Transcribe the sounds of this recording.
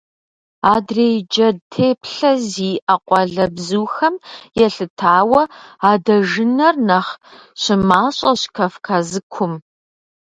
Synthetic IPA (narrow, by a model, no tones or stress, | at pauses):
aːdreːjd͡ʒɐdtʰeːpʰɬɐziːʔɐqʷʼɔɮɐbzuːxɐmjɛɬɨtʰaːwɐaːdɐʒɨnɐrnɐχɕɪmaːɕʼɐɕkʰɐfkʰazɨkʷʰʊm